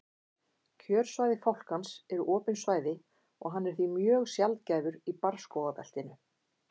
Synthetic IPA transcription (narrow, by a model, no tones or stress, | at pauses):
cʰœːɾ̥svaːjðɪfawl̥kansɛɾʏʔɔːpʏnsvaːjðɪ | ɔɣɦanːɛɾ̥θvimjœːɣsjalt̪caːjvʏɾipaɾ̥skɔwðapɛ̰l̥t̪ɪnʏ